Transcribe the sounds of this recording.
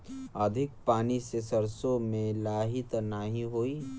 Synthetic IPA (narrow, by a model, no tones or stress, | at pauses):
əd̪ʱɪk̚paːnisesəɾsomẽlaːɦɪt̪naɦĩɦoːi